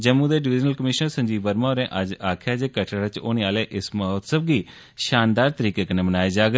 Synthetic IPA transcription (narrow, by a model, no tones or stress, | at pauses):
d͡ʒəmːũːd̪eːɖɪʋɪd͡ʒnəlkəmɪʃnəɾsəɲd͡ʒiːʋəɾmaːɾẽːʔəd͡ʒaːkʰjaːd͡ʒeːkəʈʰaʋɪt͡ʃo̰ːneːaːleːʔɪsməɦot̪səbɡiː | ʃaːnd̪aːɾt̪əɾiːkeːkəneːmənaːeːd͡ʒaːɡ